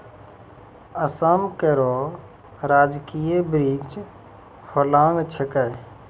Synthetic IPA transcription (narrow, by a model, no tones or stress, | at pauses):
əsamkəɾo | ɾaːd͡ʒkijebɾiɡt͡ʃ | holamet͡ʃʰekəj